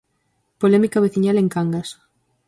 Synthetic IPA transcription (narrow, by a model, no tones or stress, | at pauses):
polɛmikaβ̞eθiɲaleŋkaŋɡas